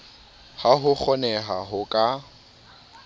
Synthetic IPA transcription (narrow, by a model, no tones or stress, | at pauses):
haɦʊk͡xʰɔnɛɦaɦʊkʼa